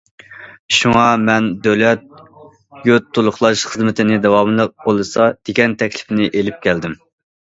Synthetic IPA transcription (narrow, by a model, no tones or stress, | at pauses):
ʃuŋɑmɛnd̪ølɛt̪̚ | jøt̪ʰːulˠʊχlˠɑʃχəzmɪt̪ʰɪnɪd̪ɛwɑmɨlˠəq̚bolˠɨsɑd̪̥eɡʲɛnt̪ʰɛkʲlɪ̥fnɪʔelɪp̚kʲʰæld̪ɪm